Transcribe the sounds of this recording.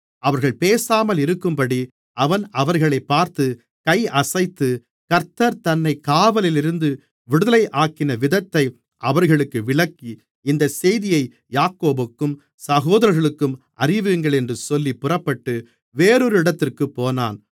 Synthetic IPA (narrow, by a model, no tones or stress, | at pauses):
ɐʋɐɾɣɐɭpeːsaːmɐlɪɾɯkːɯmpɐɽi | ɐʋɐnɐʋɐɾɣɐɭɐɪpːaːɾt̪ɯ | kɐɪɐsɐɪt̪ːɯ | kɐɾt̪ɐɾt̪ɐnːɐɪkaːʋɐlɪlɪɾɯnd̪ɯ | ʋɪɽɯðɐlɐɪʔaːkɪnɐʋɪðɐt̪ːɐɪ | ʔɐʋɐɾɣɐɭɯkːɯʋɪɭɐkːi | ɪnd̪ɐsɛjðɪjɐɪ | jaːkːoːbɯkːɯm | sɐɣoːðɐɾɐɾɣɐɭɯkːɯmʔɐrɪʋɯŋɡɐɭɛndrɯsɔlːipːʊrɐpːɐʈːɯ | ʋeːɾɔɾɯɪɽɐt̪ːɪrkɯpːoːna̰ːn